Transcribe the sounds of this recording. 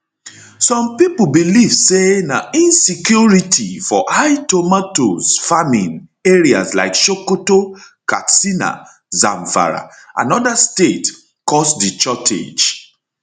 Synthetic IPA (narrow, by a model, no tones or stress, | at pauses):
sɔ̃mpip̩biliv̥senaĩnsikjuɹitʰifɔhaɪtomatozfamĩneɹia̰sla̰ɪkʃokoto | kasina̰ | zã̰ɱfa̰ɹa̰ʔã̰nɔdastet | kɔsdit͡ʃɔtʰḛd͡ʒ